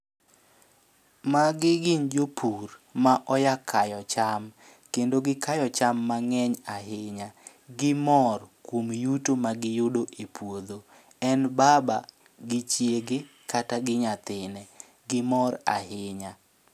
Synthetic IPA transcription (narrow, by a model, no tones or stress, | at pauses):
maɡɪɡɪɲd͡ʒopʰurmaʔɔjakʰajɔt͡ʃam | kendoɡɪkajɔt͡ʃamːaŋɛɲaɦɪɲa | ɡɪmɔrkwomjutomaɡɪjʊdoʔepwod̪o | ɛnbaba | ɡɪt͡ʃjeɡe | kataɡɪɲat̪ɪnɛ | ɡɪmɔɾa̰hɪɲa